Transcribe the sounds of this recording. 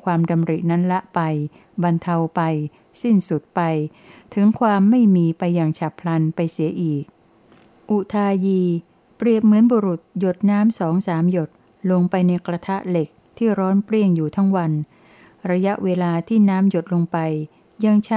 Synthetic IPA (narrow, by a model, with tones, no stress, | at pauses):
kʰwaː˧mda˧mɾi˨˩na˦˥nla˦˥ʔpa˧j | ba˧nt̪ʰa˧wpa˧j | si˥˩nsu˨˩t̪̚pa˧j | t̪ʰɯ˩˦ŋkʰwaː˧mːa˥˩jmiː˧pa˧jːaː˨˩ŋt͡ɕʰa˨˩pʰla˧npa˧jsi˩˦ɐʔiː˨˩k̚ | ʔu˨˩t̪ʰaː˧jiː˧ | pɾi˨˩əp̚mɯ˩˦ənboː˧ɾu˨˩t̪̚jo˨˩t̪̚naː˦˥msɔː˩˦ŋsaː˩˦mjo˨˩t̪̚ | lo˧ŋpa˧jna˧jkɾa˧t̪ʰa˦˥ʔle˨˩k̚t̪ʰiː˥˩ɾɔː˦˥npɾi˥˩əŋjuː˨˩t̪ʰa˦˥ŋwa˧n | ɾa˧ja˦˥ʔweː˧laː˧t̪ʰiː˥˩naː˦˥mjo˨˩t̪̚lo˧ŋpa˧j | ja˧ŋt͡ɕʰ